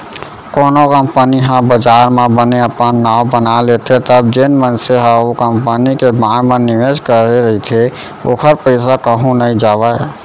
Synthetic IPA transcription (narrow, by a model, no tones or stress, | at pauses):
konokəmpəniɦãbəd͡ʒaɾmẽbəneəpənːabənalet̪ʰet̪əb̚d͡ʒenmənseɦãokəmpənikebaɾmeniʋed͡ʒkəɾeɾəɦit̪ʰe | okʰəɾpəɪsakəɦũnəjd͡ʒabəj